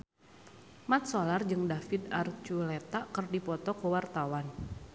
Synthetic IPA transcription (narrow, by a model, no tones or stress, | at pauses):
mat̪̚solard͡ʒɨŋdafid̪art͡ʃulet̪akərdipɔt̪ɔkəwart̪awan